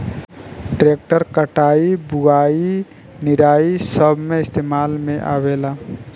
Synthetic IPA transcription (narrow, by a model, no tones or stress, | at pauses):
ʈɾeːk̚ʈəɾkəʈaːibʊɡaːi | nɪɾaːisəbʱmẽɪst̪eːmaːlmẽʔa̰ːʋeːlaː